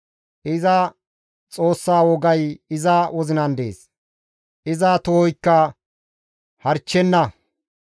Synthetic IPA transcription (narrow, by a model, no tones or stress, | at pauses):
ʔɪzɐ | t͡sʼo̞ːsːaːwɔɡɐjɪzɐwʔɔzɪnɐnd̪ḛːs | ʔɪzaːt̪ɔhɔjkːɐ | hɐɾt͡ʃːɛnːɐ